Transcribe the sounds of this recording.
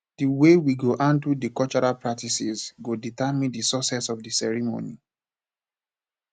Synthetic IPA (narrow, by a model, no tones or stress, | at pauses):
d̥iwewiɡoʔãntudikɔlt͡ʃɔɹapɹak̚tisizɡoditamĩndisɔsɛsɔvdisɛɹimo̰ni